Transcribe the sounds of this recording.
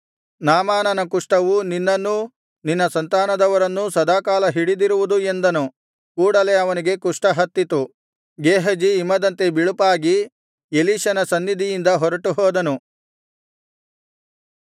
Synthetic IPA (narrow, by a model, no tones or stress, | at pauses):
naːmaːnɐnɐkuʂʈɐʋuninːɐnːu | ninːɐsɐnt̪aːnɐd̪ɐʋɐɾɐnːusɐd̪aːkaːlɐɦiɽid̪iɾuʋud̪ue̞nd̪ɐnu | kuːɽɐle̞ɐʋɐniɡe̞kuʂʈɐɦɐt̪ːit̪u | ɡeːɦɐd͡ʒiːmːɐd̪ɐnt̪e̞biɭupaːɡi | eliːʃɐnɐsɐnːid̪ʱijind̪ɐɦɔɾɐʈuɦɔːd̪ɐnu